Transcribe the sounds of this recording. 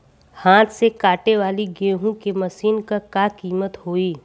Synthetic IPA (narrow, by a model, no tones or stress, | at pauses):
hãːt̪ʰsekaːʈeʋaːliɡeːɦũkemɐsiːnkakakiːmət̪ɦoːiː